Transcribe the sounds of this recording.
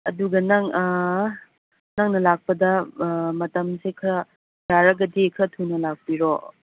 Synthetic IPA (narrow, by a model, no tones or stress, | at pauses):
ɐ̰duɡɐnɐŋ | nɐŋnɐlak̚pɐdɐmɐtɐmsekʰɾɐ | jaɾɐɡɐdikʰɾɐtʰunɐlak̚piɾo